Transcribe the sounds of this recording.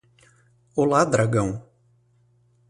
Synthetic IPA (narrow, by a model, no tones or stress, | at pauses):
olad̪ɾaɡɐ̃w̃